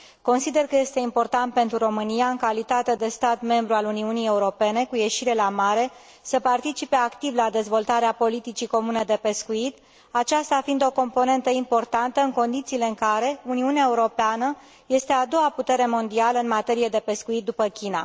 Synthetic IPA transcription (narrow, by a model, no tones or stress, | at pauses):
ko̞nsid̪e̞rkəje̞st̪e̞impo̞rt̪ant̪̚pent̪ɾuɾo̞mɨnijaɨŋkalit̪at̪e̞d̪e̞st̪at̪me̞mbɾualuniunije̞uɾo̞pe̞ne̞kuje̞ʃiɾe̞lamaɾe̞ | səpart̪it͡ʃipe̞akt̪ivlad̪e̞zvo̞lt̪aɾeapo̞lit̪it͡ʃiko̞mune̞d̪e̞pe̞skuit̪ | at͡ʃast̪afind̪o̞ko̞mpo̞ne̞nt̪əimpo̞rt̪ant̪əɨŋko̞nd̪it̪siːle̞ɨŋkaɾe̞uniuneaeuɾo̞peanə | je̞st̪e̞ad̪o̞aput̪e̞ɾe̞mo̞nd̪ialəɨnmat̪e̞ɾije̞d̪e̞pe̞skuit̪̚d̪upəkʲina̰